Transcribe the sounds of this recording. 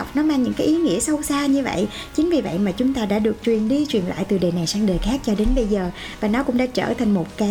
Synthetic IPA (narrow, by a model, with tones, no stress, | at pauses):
wk͡p̚nɔ˨˦maː˧ŋɲɨ̰˧˥ŋkaː˨˦jʔi˨˦ŋḭ˧˥əsə˧wsaː˧ɲɨ˧və̰˧˨jʔ | t͡ɕï˨˦ŋ̟vi˨˩və̰˧˨jmaː˨˩t͡ɕʊ˨˦ŋ͡mt̪aː˧ɗa̰ː˧˥ɗɨ˨˩ək̚t͡ɕwi˨˩ənɗi˧t͡ɕwi˨˩nla̰ː˧˨jt̪ɨ˨˩ɗeː˨˩na˨˩jsaː˧ŋɗəː˨˩jxaː˦˥k̚t͡ɕɔ˧ɗe˨˦nɓə˧jzəː˨˩ | vaː˨˩nɔ˨˦kʊ̰˧˥ŋ͡mɗa̰ː˧˥t͡ɕə̰ː˧˩t̪ʰa˨˩jŋ̟mo˨˩t̚kaː˨˦